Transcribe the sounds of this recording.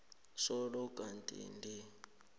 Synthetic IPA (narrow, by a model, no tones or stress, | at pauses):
sɔɺɔkʼantʼḭndi